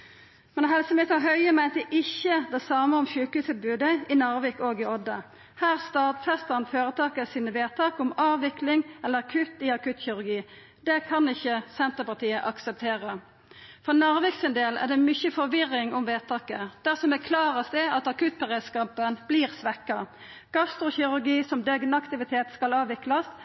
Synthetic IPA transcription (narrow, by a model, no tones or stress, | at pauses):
mɛnɦɛlsəmeːt̪ɑɦœʏəmæɪnt̪əʔɪçːəd̪ɛsɑːməɔmçʉːkʉːsət̪̚bʉːd̪əɪnɑʁʋɪkoːɡɪɔd̪ə | hæːʁst̪ɑːd̪fɛst̪əʁnføːʁət̪ʰɑːkəsiːnəʋeːt̪ʰɑːkʊmɑːʋʋɪklɪŋɛlːəʁɑkʰʉt̪iɑkʉt̪çɪʁʉɾɡiː | d̪̥ɛkʰɑnɪçəsɛnt̪əpɑt̪ʰiːəʔɑksəp̚t̪ʰeːʁə | fɔnɑʁʋɪksənd̪eːlæ̰ʁd̪ɛmʏçəfɔʁʋɪɾɪŋʊmʋeːt̪ʰɑːkəd̪̥æʁsɔmækʰlɑːʁəsd̪ɛɑt̪ɑkʉt̪̚pʰɑʁeskɑːpənb̥liːʁsʋɛkɑ | ɡ̥ɑst̪ʁʊçɪʁʉʁɡiːsɔmd̪ɛɡnɑkt̪ɪʋɪt̪ʰeːt̪skɑlɑːʋɪklɑs